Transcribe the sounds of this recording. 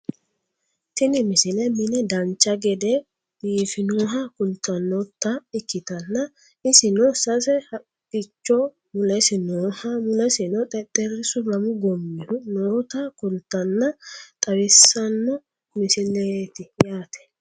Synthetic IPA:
t̪ɪnɪmɪsɪlɛmɪnɛd̪ɐnt͡ʃːɐɡɛd̪ɛ | d̪̥iːfɪnuɦɐkʊlt̪ːɐnːɔt̪ːɐɪkːɪt̪ɐnːɐ | ɪsɪnɔsɐsɛhɐ | ɪt͡ʃːɔ | mʊlɛsɪnuːhɐmʊlɛsɪnɔt̪ʼɛt̪ʼːɛɾɪsʊɾɐmʊɡɔmːɪhʊnɔɾʊt̪ɐkʊlt̪ːɐnːɐt̪ʼɐwɪsːɐnːɔ | mɪsɪlet̪ɪjaːt̪ʰɛ̥

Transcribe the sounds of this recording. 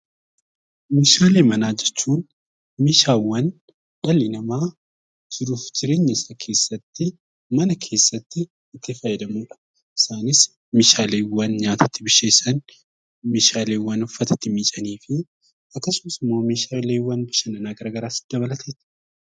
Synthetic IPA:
meːʃaːle̞ːmɐnaːd͡ʒɛt͡ʃːuːn | meːʃaːwːɐn | ᶑɐlːɪnɐmaː | d͡ʒɪɾuːfd͡ʒɪɾeːɲːɐɪsɐkʰe̞ːsːɐt̪ːɪ | mɐnɐkʰe̞ːsːɐt̪ːɪː | t̪ːɪfɐjːɛd̪ɐmuːᶑɐ̥ | ʔɪsaːnɪs | meːʃaːleːwːɐnɲaːt̪ʰɐt̪ːɪbɪʃeːsɐn | meːʃaːle̞ːwːɐnʊfːɐt̪ɐt̪ːɪmiːt͡ʃʼɐniːfɪ | ɐkːɐsʊmɐsɪmːoːmeːʃaːle̞ːwːɐnbɪʃɐnɐnaːɡɐɾaːɡɐɾaːsɪ̥d̪ɐbɐlɐt̪ʰeːt̪

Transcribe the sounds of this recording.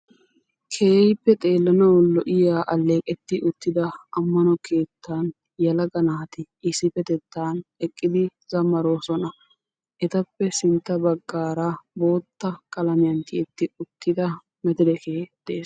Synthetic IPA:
kʰe̞ːjɪpːɛt̪ʼe̞ːlːɐnɐwɔlɔʔɪjaːʔɐlːe̞ːkʼɛt̪ːɪʔʊt̪ːɪd̪ɐɐmːɐnɔkʰe̞ːt̪ʰːaːn | jɐlɐɡɐnaːt̪ɪ | ɪsɪpɛt̪ɛt̪ːaːnɛkʼːɪd̪ɪzɐmːɐɾoːsɔnɐ | ʔɛt̪ɐpːɛsɪnt̪ːɐbɐɡːaːɾabo̞ːt̪ːɐkʼɐlɐmɪjɐnt̪ɪʔɛt̪ːɪʊt̪ːɪd̪ɐ | mɛt̪ɪd̪ɛkeːd̪̥eːs

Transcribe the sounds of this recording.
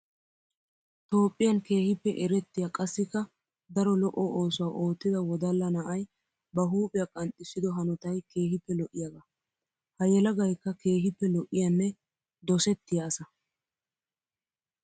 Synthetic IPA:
t̪o̞ːpʼːɪjɐnke̞ːhɪpːɛʔɛɾɛt̪ːɪjɐkʼɐsːɪkːɐ | d̪ɐɾɔlɔʔɔo̞ːsʊwaːʔo̞ːt̪ːɪd̪ɐwɔd̪ɐlːɐnɐʔɐj | bɐɦuːpʼɪjɐkʼɐnt̪ʼːɪsːɪd̪ɔɦɐnɔt̪ɐjke̞ːhɪpːɛlɔʔːɪjaɡɐ | hɐjɛlɐɡɐjkːɐke̞ːɦɪpːɛlɔʔɪjɐnːɛ | d̪ɔsɛt̪ːɪjaːsɐ

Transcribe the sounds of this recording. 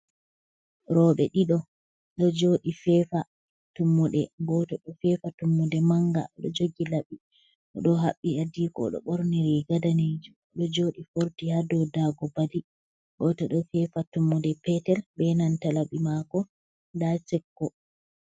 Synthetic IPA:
ɾɔɓɛɗiɗɔ | ɗɔd͡ʒoːɗifɛfa | tumːuɗɛɡɔtɔɗɔfɛfatumːudɛmaŋɡa̰ɗɔ̰d͡ʒoɡilaɓi | ɗɔɦa̰ɓːiadikɔ̰ɗɔ̰ɓɔɾnɛɾɛɡadaned͡ʒum | ɗɔd͡ʒoːɗifoɾtihadɔdaɡɔbadi | ɡɔtɔɗɔfɛfatumːɔdɛpɛtɛlbɛnantalaɓimakɔ | dat͡ʃɛkːɔ

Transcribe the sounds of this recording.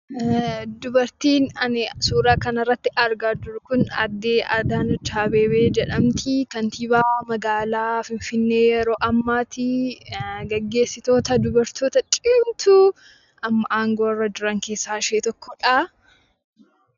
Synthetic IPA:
d̪ʊbɐɾt̪iːnɐnsuːɾaːkɐnɪrːɐt̪ːɪʔɐɾɡaːd͡ʒʊɾʊkʊnɐ̰d̪ːeːʔɐd̪aːnʊt͡ʃaːbe̞ːbeːd͡ʒɛᶑɐmt̪ʰɪkɐnt̪iːbaːmɐɡaːlaːfɪɱfɪnːe̞ːjɛɾo̞ːʔɐmːaːt̪ɪ | ɡɐɡːe̞ːsːɪt̪o̞ːt̪ɐd̪ʊbɐɾt̪oːt̪ɐt͡ʃʼɪmt̪ʰʊ | ʔɐmːɐʔaːŋɡo̞ːrːɐd͡ʒʊɾɐŋke̞ːsːaːʃeːt̪ɔkːɔᶑaː

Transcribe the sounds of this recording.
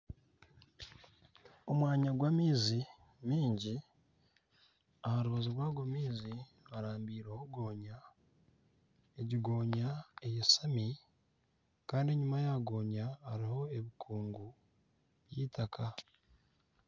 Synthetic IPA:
omwaːɲaɡwamiːzi | miːɲɟi | ahaɾuβazuɾwaːɡwamiːzi | aɾaːmbiːɾehoɡo̞ːɲa | eɟiɡo̞ːɲaejesami | kaːndiɲumajaːɡo̞ːɲaːɾiho̞e̞βikʰuːŋɡu | βjitakʰa

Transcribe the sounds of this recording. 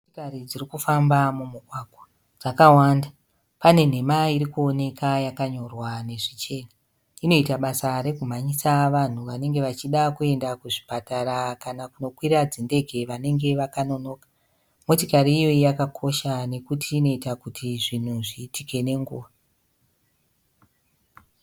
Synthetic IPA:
tikarid͡zirikufambamumuɡʱwaɡʱwa | d͡zakawanda | pane̞n̤e̞maiɾikuone̞kʰajakaɲo̞rwane̞ʐit͡ʃe̞ːna | ino̞itaɓasaɾe̞kum̤aɲisaʋan̤uʋane̞ŋɡe̞ʋat͡ʃiɗakue̞ndakuʐipataɾakanakuno̞kwiɾad͡zinde̞ɡʱe̞ʋane̞ŋɡe̞ʋakano̞no̞ːkḁ | mo̞tikaɾiːjo̞ijakakʰo̞ʃane̞kutiːno̞itakutʰiʐin̤uʐiːtike̞ne̞ŋɡṵːʋa

